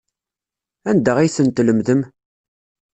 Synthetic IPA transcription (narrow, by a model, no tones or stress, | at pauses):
ænd̪æʁiθənt̪ləmðəm